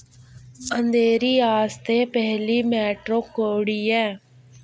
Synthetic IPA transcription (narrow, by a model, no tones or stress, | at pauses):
ənd̪eːɾiːaːst̪eːpɛɦliːmɛːʈɾoːkoːɽiːɛ̃ː